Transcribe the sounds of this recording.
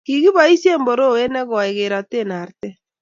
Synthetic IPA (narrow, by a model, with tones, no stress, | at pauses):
ki˨ɣi˦βa˨i˦sje˦mbo˨ɾo˦˨e˦nɛ˦ɣɔ˨a˨e˨ɣe˨ɾa˨te˦na˨ɾtɛ˦